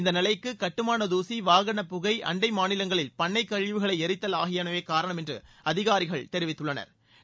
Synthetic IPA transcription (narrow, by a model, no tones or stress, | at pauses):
ɪnd̪ɐnɪlɐɪkːɯkɐʈːɯmaːnɐðuːsiʋaːɣɐɳɐpʊɣɐɪʔɐ̰ɳɖɐɪmaːnɪlɐŋɡɐɭɪlpɐɳːɐɪkːɐɻʋɯɣɐɭɐɪɛɾɪt̪ːɐlaːɣɪjɐnɐʋeːkaːɾɐɳɐmɛndrɯ̰ | ɐðɪɣaːɾɪɣɐɭt̪ɛɾɪʋɪt̪ːɯɭːɐnɐ̰ɾ